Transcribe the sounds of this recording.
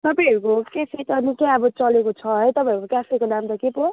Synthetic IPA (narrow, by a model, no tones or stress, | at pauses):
t̪ʌpãɦʌɾukokeset̪ʌnikeʌbʌt͡sʌlekot͡sʰʌɦʌjt̪ʌpãʌɾukokafʰekonamt̪ʌkepo